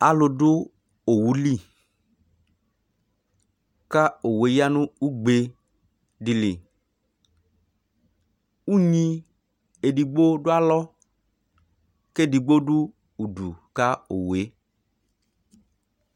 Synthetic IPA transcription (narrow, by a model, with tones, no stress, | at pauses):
a˨lo˧ɖʊ˦ | o˨wu˨˦li˦˨ | ka˦o˨we˨˦ja˦nũ˦u˦ɡ͡be˨ | di˨li˨ | u˦ɲĩ˧ | e˨di˨ɡ͡bo˦ɖʊ˦a˦lɔ˦ | ke˦˨di˨ɡ͡bo˦ɖu˦ | u˨du˨ka˦o˨we˨˦